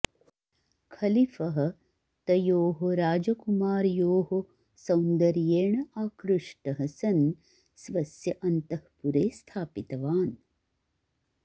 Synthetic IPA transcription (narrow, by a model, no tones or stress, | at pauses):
kʰɐlifɐɦɐ̆ | t̪ɐjoːɦoɾaːd͡ʒɐkumaːɾjoːɦo | sɐwnd̪ɐɾjeːɳɐaːkɾuʂʈɐɦɐsɐn | sʋɐsjɐʔɐnt̪ɐhpuɾeːst̪ʰaːpit̪ɐʋaːn